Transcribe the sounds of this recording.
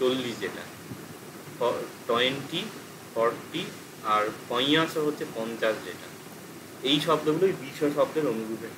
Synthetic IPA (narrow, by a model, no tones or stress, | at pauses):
t͡ɕolːiʃd͡ʑeʈa̰ | ɔʈɔjnʈi | fʰɔɾʈi | aɾpɔj̃aʃoɦotːɕʰepɔnt͡ɕaʃd͡ʑeʈa̰ | ejʃɔbd̪oɡulojbiʃoʃɔbd̪eɾonubʱubʱe